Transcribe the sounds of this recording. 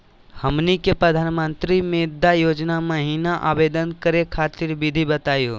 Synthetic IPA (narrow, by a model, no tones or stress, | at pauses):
həmnikepɾəd̪ʱaːnmə̃nt̪ɾimẽd̪ajoːd͡ʒnaməɦinaʔabed̪ənkəɾekʰaːt̪iɾbid̪ʱibət̪aːjoː